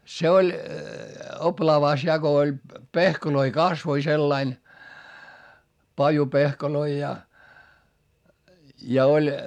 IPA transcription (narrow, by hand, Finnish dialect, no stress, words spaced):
se olʲ oplɑːʋɑˑs jɑ ko olʲ pehkoloi kɑsʋoi selːɑin pɑjupehkoloi jɑ jɑ olʲ